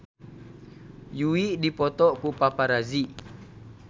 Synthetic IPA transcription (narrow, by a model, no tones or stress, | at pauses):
juiʔdipɔt̪ɔʔkupapaɾaziʔ